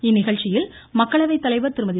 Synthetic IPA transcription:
ɪnːɪɣɐɭt͡ʃːɪjɪlmɐkːɐɭɐʋɐɪt̪ːɐlɐɪʋɐɾt̪ɪɾɯmɐðɪ

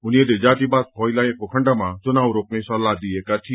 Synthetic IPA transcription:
ʊnied̪ed͡ʒaːt̪ibad̪̚kʰɔjlaekokʰəɳɖamãt͡ʃʊnawɾok̚nẽjsɔlad̪iekaʈʰi

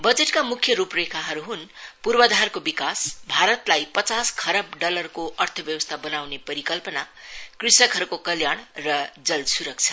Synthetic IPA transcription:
bʌd͡zeʈkamukʰjʌɾuprekʰaɦʌɾuɦunpurbʌd̪ʱarkobikasbʱaɾʌt̪lajpʌt͡saskʰʌɾʌbɖʌlʌrkoʔʌrt̪ʰʌbjʌwʌst̪ʰabʌnawnepʌɾikʌlpʌna | krisʌkɦʌɾukokʌljaɳ̃rʌd͡zʌlsuɾʌk̚t͡sʰʌ̥

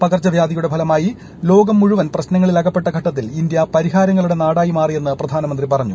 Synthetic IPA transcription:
pɐɡɐrt͡ɕːɐʋjaːd̪ijuɽe̞bʱɐlɐmaːji | lo̞ːɡɐmːuɻuʋɐnprɐɕnɐŋːɐɭilɐɡɐpːeʈːɐɡʱɐʈːɐt̪ːilind̪jɐpɐɾiɦaːɾɐŋːɐɭuɽe̞naːɽaːjimaːrije̞nːɨprɐd̪ʱaːnɐmɐnd̪ripɐrɐɲːu

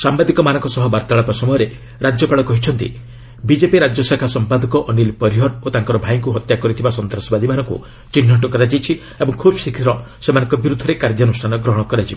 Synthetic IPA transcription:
sambad̪ikɔmanɔ̃ŋkɔsɔɦɔbaɾt̪aɭapasɔmɔjɔɾe | ɾad͡ʒjɔpaɭɔkɔɦit͡ʃʰɔnt̪ḭ | bid͡ʒepiɾad͡ʒjɔsakʰasɔmpad̪ɔkɔʔɔnilpɔɾiɦɔɾot̪aŋkɔɾɔbʱajiŋkuɦɔt̪jakɔɾit̪ʰibasɔnt̪ɾɔsɔbad̪ʱimanɔŋkṵ | t͡ʃinːɔɳʈɔkɔɾad͡ʒijt͡ʃʰi | ebɔŋkʰubsikʰiɾɔsemanɔ̃ŋkɔbiɾud̪ʱːɔɾekaɾd͡ʒɔnusʈʰanɔɡɾɔɦɔɽ̃ɔkɔɾad͡ʒibɔ

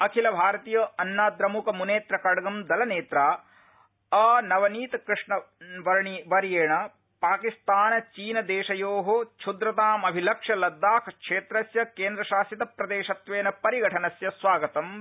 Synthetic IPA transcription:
ɐkʰilɐbʱaːɾɐt̪iːjɐɐnːaːd̪ɾɐmukɐmuneːt̪ɾɐkɐɽɐɡɐmd̪ɐlɐneːt̪ɾaː | ɐnɐʋɐniːt̪ɐkɾɪʂɳɐʋɐɾɐɳiʋɐɾjeːɳɐ | paːkist̪aːnɐt͡ʃiːnɐd̪eːʃɐjoːɦot͡ʃʰud̪ɾɐt̪aːmɐbʱilɐkʂɐlɐd̪ːaːkʰkʂeːt̪ɾɐsjɐkeːnd̪ɾɐʃaːsit̪ɐpɾɐd̪eːʃɐt̪ʋeːnɐpɐɾiɡɐʈʰɐnɐsjɐsʋaːɡɐt̪ɐm

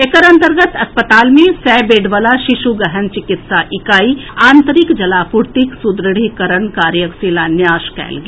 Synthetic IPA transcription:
ekəɾɐ̃nt̪əɾɡət̪ɐspət̪aːlmẽsɛːbeːɖʋəlaʃɪʃuɡəɦənt͡ʃɪkɪt̪saʔɪkaːiãːnt̪əɾɪkd͡ʒɐlaːpʊɾt̪iksʊd̪ɾəɽ̤ikəɾəɳkaːɾjəksɪlanjaːʃkɛ̰ːlɡe

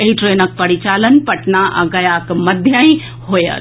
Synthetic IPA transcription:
eɦiʈɾenək̚pəɾit͡ʃalənpəʈnaʔa̰ɡɐjakməd̪ʱjəĩ | ɦojə̰t̪

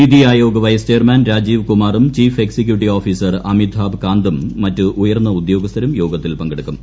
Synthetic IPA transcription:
id̪ijaːjoːɡɐʋɐjɐst͡ɕeːrmaːnɾaːd͡ʑiːʋkumaːrumt͡ɕiːfe̞ksek̬juʈːioːfiːsɐrɐmid̪ʰʱaːbkaːnd̪ɐmːɐtːɨʔujɐrnːɐud̪jo̞ːɡɐst̪ʰɐɾɐmjo̞ːɡɐt̪ːilpɐŋɡɐɽukːum

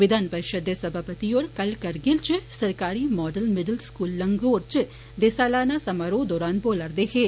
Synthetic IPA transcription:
ʋɪd̪aːnpɐɾɪʃəd̪jəsɐbʱaːpət̪ioːɾkɐlkɐɾɡɪlt͡ʃsɐɾkaːɾiːmɔːɖəlmɪɖəlskuːlːɐŋɡoːɾt͡ʃ | d̪esaːlaːnasɐmaːɾoːd̪ɔːɾaːnboːləɾd̪eɦeː

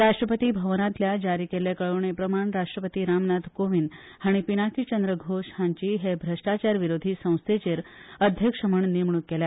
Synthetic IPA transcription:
ɾaʂʈɾəpət̪iːbʱəʋnãt̪ljad͡ʑaɾiːkelekəɭoɳ̃epɾəmaɳɾaʂʈɾəpət̪iɾamnad̪ʱkoʋin | haɽ̃ipinakʰit͡ɕənd̪ɾəɡʱoʂɦãɲt͡ɕiːɦebʱɾəʂʈat͡ɕaɾʋiɾod̪ʱiːsə̃w̃st̪ʰet͡ɕeɾəd̪ʱjəkʂəməɳnimɳukkːela

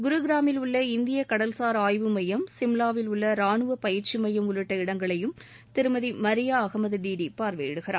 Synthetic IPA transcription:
ɡʊɾɯɡɪɾaːmɪlʊɭːɐɪnd̪ɪjɐkɐɽɐlsaːɾaːjʋɯmɐjɐmsɪmlaːʋɪlʊɭːɐɾaːɳɯʋɐpɐjɪɾt͡ʃimɐjɐmʊlɯʈːɐɪɽɐŋɡɐɭɐjɯm | t̪ɪɾɯmɐðimɐɾɪjaːɐɣɐmɐðɯɖiːɖipaːɾʋḛːjɪɽɯɣɪɾa̰ː

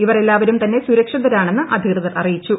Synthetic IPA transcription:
iʋɐre̞lːaːʋɐɾumt̪ɐnːe̞suɾɐkʂɐðɐɾaːɳe̞nːɨʔɐd̪ʱiɣrɨðɐɾɐrijit͡ɕːu

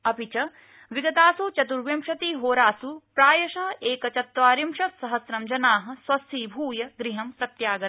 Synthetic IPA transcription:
ɐpit͡ʃɐ | ʋiɡɐt̪aːsut͡ʃɐt̪̬uɾʋjɐmʃɐt̪iːɦoːɾaːsupɾaːjɐʃɐɦɐʔeːkɐt͡ʃɐt̪ʋaːɾimʃɐt̪sɐɦɐsɾɐmd͡ʒɐnaːɦɐ̆sʋɐst̪ʰiːbʱuːjɐɡɾiɦɐmpɾɐt̪jaːɡɐ

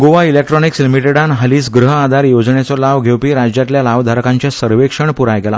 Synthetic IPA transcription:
ɡoʋailek̚ʈɾɔnikslimiʈeɽanɦəliːsɡɾəɦəad̪ʱaɾjod͡zɳet͡sɔlaʋɡʱewpiːɾad͡ʑjat̪ljalaʋd̪ʱaɾkãɲt͡ɕjasəɾʋekʂəɳpuɾajɡɛla̰

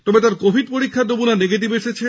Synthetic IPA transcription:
t̪omet̪aɾkobʱiɖ̚poɾikʰːaɾd̪obunaneɡeʈ̬ibeʃet͡ɕʰe

